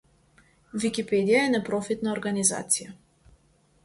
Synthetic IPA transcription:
vikʲipɛd̪ijaɛnɛpɾɔfit̪naoɾɡaniza̰t̪sija

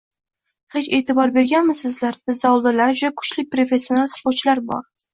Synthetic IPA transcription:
he̞t͡ʃe̞ːt̪ʰɪbɒɾbe̞ɾɡʲanmɪzsɪzlaɾbɪzːawlˠd̪alaɾd͡ʒʊd̪akʰʊ̥t͡ʃlɪpɾo̞fe̞sːionalˠspoɾt͡ʃlaɾbɒ̰ɾ

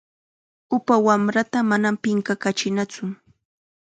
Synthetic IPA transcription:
ʊpawamɾat̪amanampɪŋkakat͡ʃɪnat͡sʊ

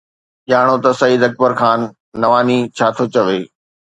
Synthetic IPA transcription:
ʄaːɽ̃ot̪ɐsɐid̪ɐk̚bəɾxʰaːnː | ɐʋaːnit͡ɕʰaːt̪ʰot͡ɕɐʋeː

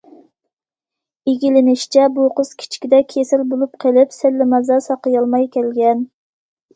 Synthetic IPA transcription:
iɡʲilɪnɪʃt͡ʃʰɛboqʊz̥kʲʰi̥t͡ʃʰkʲid̪ɛkʲʰesɪlbolˠup̚qʰəlɪpsɪlːɪmɑzɑsɑqəjɑlˠmɑjkʲʰɛlɡʲɛn

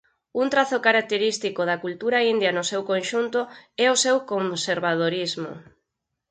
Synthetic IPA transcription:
unt̪ɾaθʊkaɾak̚t̪eɾist̪ikoðɐkult̪uɾaind̪jɐnosewkõnʃunt̪ʊɛosewkomseɾβaðoɾizmʊ̰

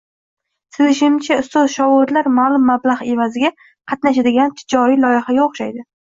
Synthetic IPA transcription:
sɪzɪʃɪmt͡ʃʰaʊst̪ɒzʃɒwʊd̪laɾmalˠʊmːablˠaʁe̞vazɪɡʲa | qʰɑt̪naʃad̪ɪɡʲant̪ʰɪd͡ʒɒɾijlˠɒjɪhaɡʲaoχʃajd̪ɪ

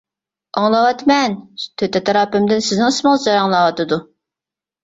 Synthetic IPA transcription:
ɑŋlˠɑwɑt̪mɛnt̪ʰøt̪ɛt̪ʰɑɾɑːpɪmd̪ɪnsɪznɪŋsmɨŋd͡ʒɑɾɑŋlˠɑwɑt̪ɨd̪u

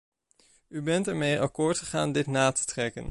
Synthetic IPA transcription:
ybɛntɛɹmejʔɑkʊːɹtχəχaːndɪtnaːtə̥trɛkə̰n

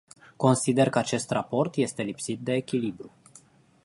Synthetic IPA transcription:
ko̞nsid̪e̞rkəat͡ʃe̞st̪rapo̞rt̪je̞st̪e̞lipsit̪̚d̪e̞ːkʲilibɾu

